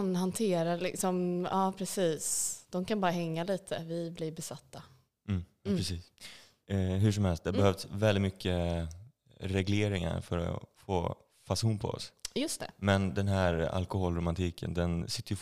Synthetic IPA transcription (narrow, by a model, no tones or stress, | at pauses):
nɦant̪ʰeːɾalɪksɔmɑːpʰɾɛsiːsd̪̥ɔmkʰanbɑːɾaɦɛŋːaliːt̪ʰəvɪblɪbɛsat̪ʰːa | m̩ː | ɾɛsiːs | ɦɵʂɔmhɛlst̪̚d̪ɛhabɛhœvsvɛld̪ɪt̪mʏkʰːə | ɾɛɡleːɾɪŋa̰ɾfœɾɔ̰fo̰ː | fasuːnpʰɔ̰ɔ̰sjɵst̪ɛ̰mɛnd̪ɛnɦæɾa̰lkʊhɔlɾʊmant̪ʰiːkə̰nd̪ɛnsɪt̪ːəjɵ